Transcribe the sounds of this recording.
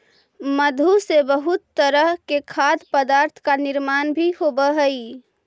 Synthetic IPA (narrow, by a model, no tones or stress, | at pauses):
məd̪ʱusebəɦut̪ːəɾəɦkekʰad̪pəd̪aɾt̪ʰkaniɾmanbʱiɦobəɦəi